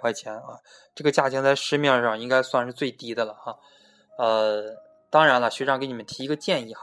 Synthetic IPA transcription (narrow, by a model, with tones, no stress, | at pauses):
wa˥ɪt͡ɕʰjɛ˧˥nə˥˧ | ʈ͡ʂɤ˥˩ɡə˩t͡ɕja˥˩t͡ɕʰi˥ŋt͡sa˥˩ɪʂɻ̩˥mjɑ˥˧ʂɑ˥˩ŋi˥ŋka˥ɪswa˥˧nʂɻ̩˥˧t͡swe˥˩ɪt̪i˥d̪ə˧lə˩xa˧˩ | ə˧ | t̪ɑ˥ŋɻa˧˥nlə˧ɕɥɛ˧˥ʈ͡ʂɑ˥˩ŋke˧˥ɪn˨˩mə˦nt̪ʰi˧˥i˧˥ɡə˧t͡ɕjɛ˥˧ni˥˩xa˧˥